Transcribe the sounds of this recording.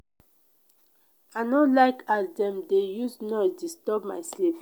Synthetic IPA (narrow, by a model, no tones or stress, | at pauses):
aɪnɔlaɪkadɛ̃mdejusnɔdistɔpmasɛf